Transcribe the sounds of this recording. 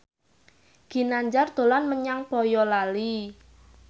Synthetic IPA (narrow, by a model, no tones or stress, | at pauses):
ɡ̥i̤naɲd͡ʒard̪̥o̤lanməɲaŋpɔjɔlali